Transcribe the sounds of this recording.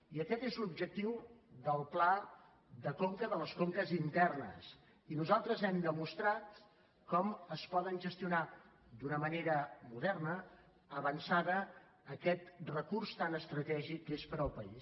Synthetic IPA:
iəkɛt̪ezlubʒək̚t̪iwðəlˠpla | ðəkoŋkəðələskoŋkəzint̪ɛrnə̰s | inuzalˠt̪ɾəzɛmd̪əmust̪ɾat̪ | kɔməspɔðənʒəst̪iuna | d̪unəməneɾəmuðɛrnəː | βənsaðəː | kɛt̪rəkurst̪anəst̪ɾət̪ɛʒikːespəɾəlˠpəis

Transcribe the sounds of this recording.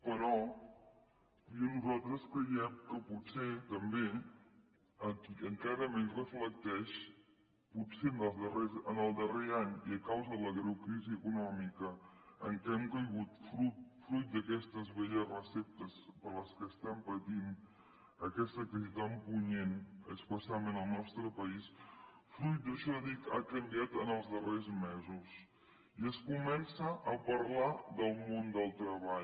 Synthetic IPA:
pəɾɔ | jɔnuzalˠt̪ɾəskɾəjɛmkəputset̪əmbe | əkiəŋkaɾəmensrəflək̚t̪ɛʃ | pusenəlˠzðərezənəlˠd̪əreaɲiəkawzəðələɣɾewkɾiziəkunɔmikəəŋkɛmkəjɣ̞ut̪fɾut̪̚fɾujt̪̚d̪əkɛst̪əzβeʎəzrəsɛp̚t̪əspəɾləskəst̪ampət̪in | əkɛst̪əkɾiziðampuɲenə̰kspəsialˠmenəlˠnɔst̪ɾəpəisfɾujt̪̚d̪əʃɔəðika̰kəmbiat̪ənəlˠzðərezmɛzus | iəskumɛnsəʔəpəɾlaðəlˠmond̪əlˠt̪ɾəβaʎ

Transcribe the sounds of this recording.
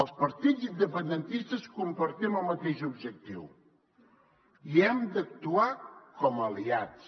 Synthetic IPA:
əlˠspəɾt̪id͡zind̪əpənd̪ənt̪ist̪əskumpəɾt̪iməlˠmət̪eʒubʒək̚t̪iw | iɛmd̪ək̚t̪uakɔməliat͡s

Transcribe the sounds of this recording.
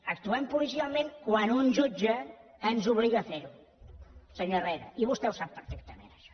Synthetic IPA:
ək̚t̪uɛmpulis̬ialˠmẽŋkwanunʒud͡ʒəː | nzuβliɣəːfeɾu | səɲorɛɾə̰ʔiβust̪ɛwsapːəɾfɛk̚t̪əmḛnəʃɔ̥

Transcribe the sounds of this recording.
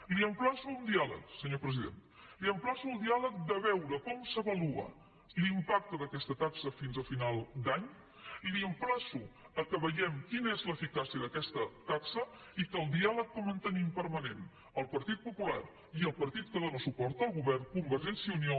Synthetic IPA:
liəmplasuund̪ialə̰ksəɲopɾəziðḛnliəmplasuəlˠd̪ialək̚d̪əβɛwɾəkɔmsəβəluə̰ | limpak̚t̪əðəkɛst̪ət̪aksəfinzəfinalˠd̪aɲ | liəmplasuəkəβəʎɛmkinəezləfikasiəðəkɛst̪ət̪aksə | ikəlˠd̪ialək̚d̪əmənt̪ənimpəɾmənen | əlˠpəɾt̪it̪̚pupula̰ɾ | iəlˠpəɾt̪it̪kəðonəsupɔɾt̪əːlˠɣuβɛrkumbəɾʒɛnsiəunio

